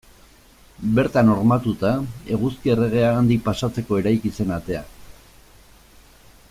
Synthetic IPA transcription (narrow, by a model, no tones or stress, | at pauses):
be̞ɾt̪ano̞ɾmat̪ut̪ae̞ɣ̞uskiere̞ɣ̞e̞aːnd̪ipasat͡se̞ko̞e̞ɾajkise̞nat̪e̞a̰